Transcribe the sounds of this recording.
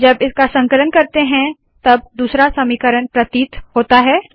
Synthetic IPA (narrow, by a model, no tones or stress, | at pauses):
d͡ʒɐbɪskasɐ̃ŋkələnkɐɾt̪eɦɛ̃ | t̪ɐb̚d̪uːsɾasɐmikəɾənpɾɐt̪iːt̪ɦoːt̪aɦɛː